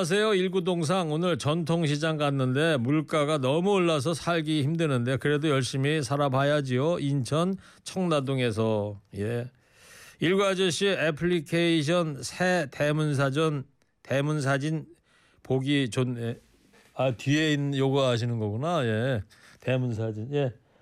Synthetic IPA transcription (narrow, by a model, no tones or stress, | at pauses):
as̬ʰe̞joiɭɡudoŋs̬ʰaŋonɯɭt͡ɕʌntʰoŋɕ̬ʰid͡ʑaŋkanːɯnde̞muɭk͈aɡanʌmuoɭːas̬ʰʌsʰaɭɡiçimdɯnɯnde̞kɯɾe̞dojʌɭɕ͈imisʰaɾabʰajad͡ʑijoʔint͡ɕʰʌn | t͡ɕʰʌŋnadoŋe̞s̬ʰʌje̞ | iɭɡwad͡ʑʌɕ͈iepʰɭikʰeiɕ̬ʰʌnsʰete̞muns̬ʰad͡ʑʌn | te̞muns̬ʰad͡ʑin | poɡit͡ɕone | atie̞injoɡaɦaɕ̬ʰinɯnɡʌkunaje̞ | te̞muns̬ʰad͡ʑinje̞